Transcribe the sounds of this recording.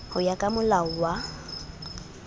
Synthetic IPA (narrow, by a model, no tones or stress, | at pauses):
hʊjakʼamʊlaʊwa